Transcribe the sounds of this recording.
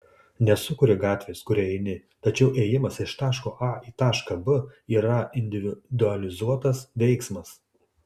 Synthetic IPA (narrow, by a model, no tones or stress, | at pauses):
nʲɛsʊkʊɾʲɪɡɑːt̪ʲʋʲeːskʊɾʲɛɛɪnʲɪ | t̪ɐt͡ʃʲɛʊʔeːjɪmɐsɪʃt̪ɑːʃkoːʔɑiːt̪ɑːʃkɐbʊiːɾɐɪnʲd̪ʲɪʋʲɪd̪ʊɐlʲɪzuɔt̪ɐsʋʲɛɪksmɐs